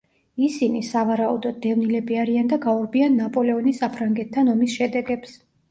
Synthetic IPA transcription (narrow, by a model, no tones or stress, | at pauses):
isinisavaɾaṵd̪ɔd̪̚ːɛvnilɛbiaɾiand̪aɡaɔɾbianːapʼɔlɛɔnisapʰɾaŋɡɛt̪ʰːanɔmisʃɛd̪ɛɡɛps